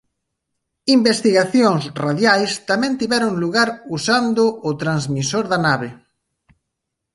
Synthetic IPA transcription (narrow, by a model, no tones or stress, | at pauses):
imbest̪iɣaθjoŋsraðjajst̪amɛ̃nt̪iβɛɾʊŋluɣaɾusand̪ʊʔʊt̪ɾanzmisoɾðanaβe